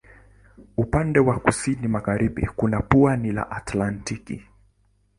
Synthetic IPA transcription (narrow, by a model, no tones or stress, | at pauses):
upandɛwakusinimaɣaɾiɓḭkunapuanila̰ʔatlantikḭ